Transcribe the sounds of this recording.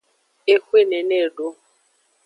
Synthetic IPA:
e˦kʷe˦˨ne˨ne˦˨ɖo˦

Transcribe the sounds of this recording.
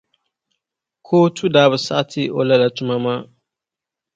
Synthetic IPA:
kʰoː˦tʰu˦daː˦bɨ˨sa̰˦ʔtʰi˦ʔo̰˨la˦la˨tʊ˦ma˦maː˦

